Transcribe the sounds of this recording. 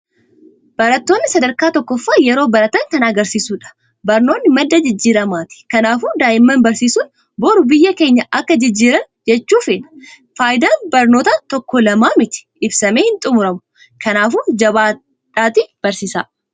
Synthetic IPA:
b̥ɐɾɐt̪ːo̞ːnːɪsɐd̪ɐɾkaːt̪ɔkːɔfːaːjɛɾo̞ːbɐɾɐt̪ɐnt̪ɐnaɡɐɾsiːsuːᶑɐ̥ | bɐɾno̞ːnːɪmɐd̪ːɐd͡ʒɪd͡ʒːiːɾɐmaːt̪ɪ̥kɐnaːfuːnd̪aːʔɪmːɐnbɐɾsiːsuːn | boːɾʊbɪjːɐke̞ːɲːɐʔɐkːɐd͡ʒɪd͡ʒːiːɾɐn | d͡ʒɛt͡ʃːuːfeːnɐ̥ | faːjd̪aːnbɐɾnoːt̪ɐt̪ɔkːɔlɐmaːmɪt̪ɪ̥ʔɪbsɐmeːhɪnt̪ʼʊmʊɾɐmʊ̥ | kʰɐnaːfuːnd͡ʒɐβaː | t̪ːaːt̪ib̥ɐɾsiːsa̰ː

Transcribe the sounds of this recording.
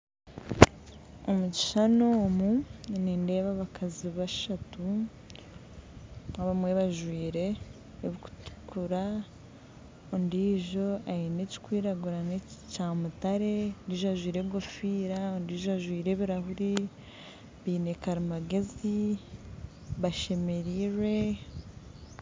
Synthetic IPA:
omuci̥ʃanomuninde̞ːβaβakʰaziβaʃatu | aβamwe̞βaʒwiːɾe̞ː | βiku̥tu̥kuɾa | ondiːʒo̞ajineci̥kwiːɾaɡuɾanecaːmutaɾe̞ndiːʒoaʒwiːɾebɡo̞fiːɾaondiːʒoaʒwiːɾe̞βiɾahuɾi | βiːne̞kaɾimaɡe̞zi | βaʃe̞me̞ɾiɾwe̞

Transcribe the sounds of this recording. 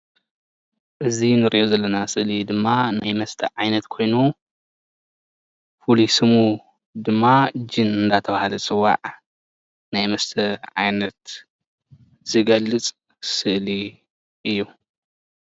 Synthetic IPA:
ʔɨzinɨɾiʔozɐlːɐnasɨʔlid̪ɨmːanajmɐst̪ʰɐʕajnɐt̪kʰo̞jnu | fulisɨmu | d̪ɨmːad͡ʒɨnɨnd̪at̪ʰɐβahalɐt͡sʼɨwːa̰ʕ | najmɐst̪ʰɐʕa̰jnɐt̪ | z̥ɨɡɐlːɨt͡sʼ | sɨʔli | ʔɨjːu

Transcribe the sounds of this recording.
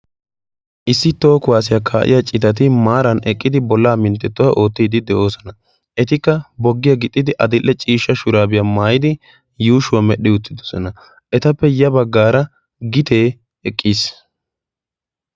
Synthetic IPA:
ʔɪsːɪt̪o̞ːkʊwaːs̬ɪjakʰaːʔɪ̰jat͡ʃʼɪt̪ɐt̪̬ɪmaːɾɐnɛkʼːɪd̪ɪbɔlːaːmɪnt̪ːɛt̪ːʊwaʔo̞ːt̪ːiːd̪ɪd̪ɛʔo̞ːsɔnɐ | ʔɛt̪ɪkːɐbɔɡːɪjɐɡɪt̪ʼːɪd̪ɪʔɐd̪ɪlʔːɛt͡ʃʼiːʃːɐʃʊɾaːbɪjaːmaːjɪd̪ɪ | juːʃʊwɐmɛɗːɪʊt̪ːɪd̪ɔ̥sɔnɐ | ʔɛt̪ɐpːɛjɐbɐɡːaːɾɐ | ɡɪt̪ʰe̞ː | ɛkʼːiːs

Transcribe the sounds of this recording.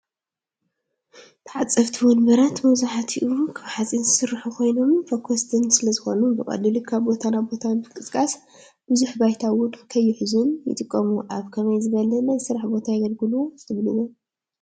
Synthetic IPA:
t̪ʰɨʕat͡sʼːɐft̪ʰiwɔnbɐɾat̪mɐβzuħat̪ʰiʔukʰɨβħat͡sʼinzɨsɨɾħukʰo̞jno̞mfɐkʷʰːost̪ʰɨnsɨlɐzɨxo̞nubɨkʼɐ̰lːɨlukʰaβbo̞t̪ʰanabo̞t̪ʰanbɨkʼɨskʼas | b̥ɨzuħbajt̪ʰawʊnkʰɐjːɪħɨzunjɨ̰t̪ʼɨkʼːɐmuʔaβkʰɐmɐjzɨɡɐlɐlɐsɨɾaħbo̞t̪ʰajɐɡɐlɡɨluosɨβlɨwu

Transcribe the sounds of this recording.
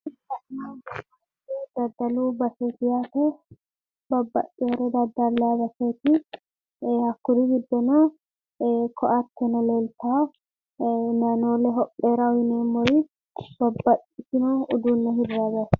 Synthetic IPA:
ɪtːɐnaɛɐ | ed̪ɐd̪ːɐluːbɐseːt̪ɪjaːt̪ɛ | bɐbːɐ̰ʔʼɪɔɾɛd̪ɐd̪ːɐlːabɐseːt̪ɪ | hɐkːʊɾɪɡɪd̪ːɛnɔ | kʰɔʔɐt̪ːɛnɔleːlt̪a | nanoːlɛɦɔpʼːeːɾɐɔjɪneːmːɔɾi | b̥ɐbːɐʔʼɪsɪnɔʊd̪uːnːɛɦɪrːabɐ

